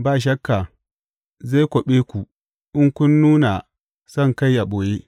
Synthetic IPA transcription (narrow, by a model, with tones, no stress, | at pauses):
baː˦˨ʃ̬ɐ˦kːa˨ | za˦˨kʷɔ˨ɓeː˦kʷu˨ | ʔʊ˦ŋkʷʊ˦nːuː˦na˨ | sɐ˦˨ŋka˦jːa˨ɓoː˨je˦